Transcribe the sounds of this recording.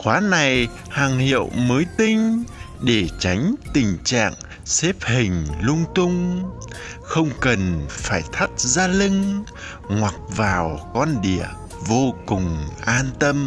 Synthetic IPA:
xwaː˨˦na˨˩j | haː˨˩ŋhḭ˧˨əwməː˨˦jt̪ï˧ŋ̟ | ɗe˧˩t͡ɕa˨˦jŋ̟t̪ï˨˩ŋ̟t͡ɕa̰ː˧˨ŋ | sɛ˦˥p̚hï˨˩ŋ̟lʊ˧ŋ͡mt̪ʊ˧ŋ͡m | xə˧wŋ͡mkə˨˩nfaː˧˩jt̪ʰa˦˥t̚zaː˧lɨ˧ŋ | ŋwa˨˩k̚vaː˨˩wkɔ˧nɗi˧˩ə | vo˧kʊ˨˩ŋ͡mʔaː˧nt̪ə˧m

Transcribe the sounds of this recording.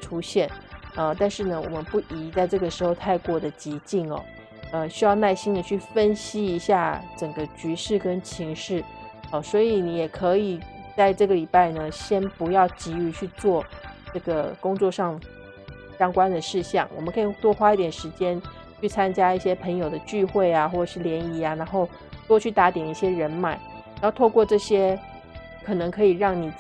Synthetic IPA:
ʈ͡ʂʰu˥ɕjɛ˥˩nə˧t̪a˥˧nʂɻ̩˥˩nə˩wɔ̰˨˩mə˦npu˥˩ʔi˧˥t͡sa˥˧ɪʈ͡ʂɤ˥˩ɡə˩ʂɻ̩˧˥xo˧ʊt̪ʰa˥˧ɪkwɔ˥˩d̪ə˩t͡ɕi˧˥t͡ɕi˥˩ŋɐ̰˩ | ə˧ɕy˥jɑ˥˧ʊna˥˩ɪɕi˥nd̪ə˨t͡ɕʰy˥˩fə˥nɕi˥i˧˥ɕja˥˩ʈ͡ʂə˨˩ŋɡə˦t͡ɕy˧˥ʂɻ̩˥˩kə˥nt͡ɕʰi˧˥ŋʂɻ̩˥˩ | ə˩swɔ˧˥i˧˥ni˧˥jɛ˨˩kʰɤ˧˥i˨˩t͡sa˥˧ɪʈ͡ʂɤ˥˩ɡə˩li˨˩pa˥˩ɪnə˩ɕjɛ˥npu˧˥jɑ˥˩ʊt͡ɕi˧˥y˧t͡ɕʰy˥˧t͡swɔ˥˩˧ʈ͡ʂɤ˥˩ɡə˩kʊ˥ŋt͡swɔ˥˧ʂɑ˥˧ŋ | ɕjɑ˥ŋkwa˥nd̪ə˨ʂɻ̩˥˧ɕjɑ˥˩ŋwɔ̰˨˩mə˦ŋkʰɤ˧˥i˨˩t̪wɔ˥˧xwa˥i˥˩t̪jɛ˨˩nʂɻ̩˧˥t͡ɕjɛ˥n | t͡ɕʰy˥˩t͡sʰa˥nt͡ɕja˥i˥˩ɕjɛ˥pʰə˧˥ŋjo˨˩ʊd̪ə˦t͡ɕy˥˧xwe˥˩ɪa˩xwɔ˥˩ʈ͡ʂə˨˩ʂɻ̩˥˩ljɛ˧˥ni˧˥a˧na˧˥nxo˥˩ʊ | t̪wɔ˥t͡ɕʰy˥˩t̪a˧˥t̪jɛ˨˩ni˥˩ɕjɛ˥ɻə˧˥nma˨˩˦ɪ | n˨˧˥ʊt̪ʰo˥˧ʊkwɔ˥˧ʈ͡ʂɤ˥˩ɕjɛ˥ | kʰɤ˨˩nɤ˧˥ŋkʰɤ˧˥i˨˩ɻɑ˥˩ŋni˨˩

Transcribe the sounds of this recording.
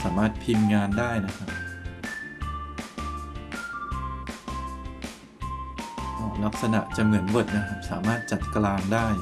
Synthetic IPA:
saː˩˦maː˥˩t̪̚pʰi˧nŋaː˧ndaː˥˩jna˦˥kʰa˦˥p̚ | ʔɔː˧˩la˦˥k̚sa˧na̰˨˩ʔt͡ɕa˨˩mɯ˩˦ənbo˨˩t̪̚na˦˥kʰa˦˥p̚sa̰ː˩˦maː˥˩t̪̚t͡ɕa˨˩t̪̚klaː˧ŋdaː˥˩j

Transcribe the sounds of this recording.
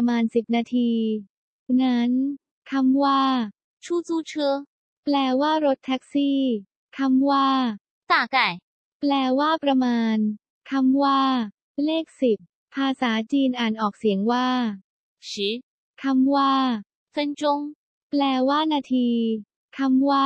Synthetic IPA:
maː˧nsi˨˩p̚naː˧t̪ʰiː˧ | na˦˥n | kʰa˧mwaː˥˩ | t͡ɕʰuː˥˩t͡suː˧˩t͡ɕʰɯ˧ | plɛː˧waː˥˩ɾo˦˥t̪ʰːɛ˦˥k̚siː˥˩ | kʰa˧mwaː˥˩ | t̪aː˨˩ka˨˩j | plɛː˧waː˥˩pɾa˧maː˧n | kʰa˧mwaː˥˩ | leː˥˩k̚si˨˩p̚ | pʰaː˧saː˩˦t͡ɕiː˧nʔaː˨˩nʔɔː˨˩k̚si˨˩˦əŋwaː˥˩ | ɕi˨˦˥ | kʰa˧mwaː˥˩ | sa˧nt͡ɕo˧ŋ | plɛː˧waː˥˩naː˧t̪ʰiː˧ | kʰa˧mwaː˥

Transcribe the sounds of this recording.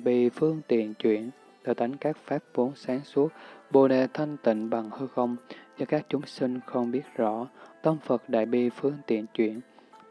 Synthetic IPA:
ɓi˧˨fɨ˧əŋt̪ḭ˧˨ənt͡ɕwḭ˧˨ən | t̪əː˧˨˩jt̪a˨˦jŋ̟kaː˦˥k̚faː˦˥p̚vo˨˦nsaː˨˦ŋsu˦˥ək̚ɓo˧ɗe˧˩t̪ʰə˧jŋt̪ḭ̈˧˨ŋ̟ɓa˨˩ŋhɨ˧xə˧wŋ͡mzəː˨˦kaː˦˥k̚t͡ɕʊ˨˦ŋ͡msï˧ŋ̟xə˧wŋ͡mɓi˦˥ət̚zɔ̰˧˥t̪ə˧wŋ͡mfə˨˩t̚ɗa̰ː˧˨jɓi˧˩fɨ˧əŋt̪ḭ˧˨ənt͡ɕwḭ˧˨ən

